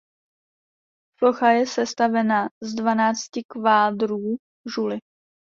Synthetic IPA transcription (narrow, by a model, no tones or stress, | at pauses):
floxajɛsɛst̪avɛnazdvanaːt͡scɪkvaːdɾuː | ʒulɪ